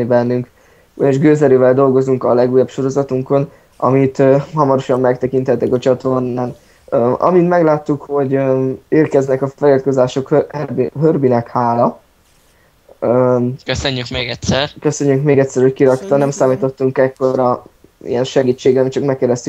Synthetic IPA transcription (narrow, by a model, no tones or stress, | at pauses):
ibɛnːyŋk | ujeʒɡøːzɛɾøːvɛld̪o̞lɡo̞zuŋkɒlɛɡuːjːɒpʃo̞ɾo̞zɒt̪uŋko̞n | ʔɒ̰mit̪øhɒmɒɾo̞ʃɒmːɛk̚t̪ɛkint̪ɛt̪ːɛkɒt͡ʃɒt̪o̞rnaːl | øɒ̰mint̪mɛɡlaːt̪ːukho̞ɟøeːrkɛznɛkɒfɛlilt̪ko̞zaːʃo̞khøhbiɦørbinɛkhaːlɒ | økøsøɲːykmeːɡɛt̪sɛrkø̞søɲːyŋkmeːɡɛt̪ʲsɛɾho̞ckiɾɒkt̪ɒnɛmsaːmiːt̪o̞t̪ːuŋkɛkːo̞ɾɒ | ḭjɛnʃɛɡiːt͡ʃːeːɡɛmt͡ʃɒkmɛkːɛɾɛst̪y